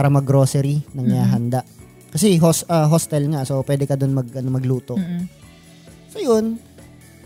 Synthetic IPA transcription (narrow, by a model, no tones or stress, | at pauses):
aːɾɐmɐɡɾoːsɛɾinɐŋnɪaːɦɐnd̪aʔ | kɐsɛɦosɐɦost̪ɛlŋaso̞pwɛːd̪ɛkɐd̪onmɐɡʔɐnomɐɡluːt̪o | sojon